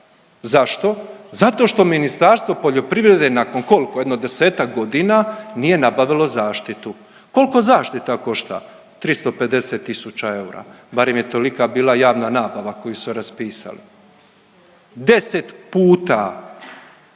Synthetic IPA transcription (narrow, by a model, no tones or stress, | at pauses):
zaʃt̪o̞zat̪o̞ʃt̪o̞minist̪aɾst̪ʋo̞po̞ʎo̞pɾiʋɾe̞d̪e̞nako̞nko̞likoe̞d̪nod̪e̞se̞ːt̪ak̚ɡo̞d̪inanije̞nabaʋilo̞zaːʃt̪it̪u | ko̞liko̞zaːʃt̪it̪ako̞ʃt̪a̰ | t̪ɾist̪ope̞d̪e̞set̪ːisut͡ɕae̞uɾa̰ | baɾe̞mje̞t̪o̞likabiːlˠajaːʋnanaːbaʋako̞jusuɾaspiːsa̰lḭ | d̪e̞set̪puːt̪a̰